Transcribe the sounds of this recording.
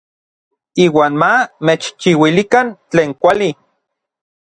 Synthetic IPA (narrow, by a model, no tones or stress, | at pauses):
iːwaːnmamet͡ʃt͡ʃiwilikant͡ɬeːŋkʷali